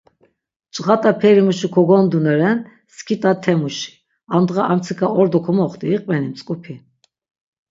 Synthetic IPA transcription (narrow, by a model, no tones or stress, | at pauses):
t͡ʃʼʁat̪ʼapʰɛɾimuʃikʰɔɡɔnd̪unɛɾɛn | skʰit̪ʼat̪ʰɛmuʃi̥ | and̪ʁaʔamt͡sʰikʰaɔɾd̪ɔkʰɔmɔχt̪ʼiːqʼvɛnimt͡sʼkʼupʰi